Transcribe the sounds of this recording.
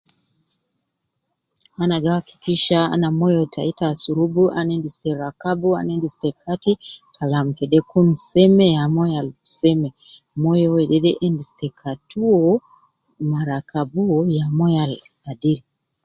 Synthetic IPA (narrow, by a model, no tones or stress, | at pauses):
anaɡawaki̥kiʃaa̰namɔjɔtʰaitasuɾubuʔanɛndistɛɾakabua̰nɛndistɛkʰatitʰalam̩kɛɗɛkun̩sɛmɛjamɔjalsɛmɛ | mɔjɔwɛɗɛɗɛʔɛndistɛkʰatuɔ | naɾakabuɔjamɔjal | adiɾi